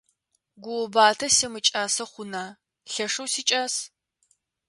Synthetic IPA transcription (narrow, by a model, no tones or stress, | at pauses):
ɡʷʊwɔbaːtʰɐsemɨt͡ʃʼaːsɐχʷʊnaː | ɬɐʂɐwsiːt͡ʃʼaːs